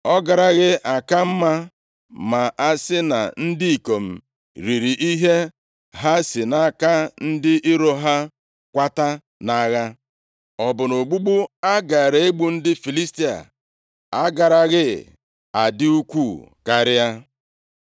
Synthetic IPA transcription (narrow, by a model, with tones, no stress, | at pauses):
ɔ˦ɡa˨ɾa˨ɣɪ˦ʔa˨ka˦m̩˦ma˦ | ma˨ʔa˦sɪ˦na̰˨n̩˦dɪ˦i˨ko˨m̩˨ | ɾi˨ɾi˨ʔi˦ɦe˦ | ɦa˦sɪ˨na˨ka˦n̩˦dɪ˦ʔi˦ɾo˦ɦa˦ | kʷa˦ta˦ | na˦ɣa˦ | ɔ˨bʊ˨no˨ɡ͡bu˦ɡ͡bu˦a˦ɡa˨ɾe˨e˦ɡ͡bu˦n̩˦dɪ˦fi˨li˦sti˦a̰˨ | a˦ɡa˨ɾa˨ɣɪ˦ | a˨dɪ˦u˦kʷu˦˨ka˦ɾɪ˦ja˦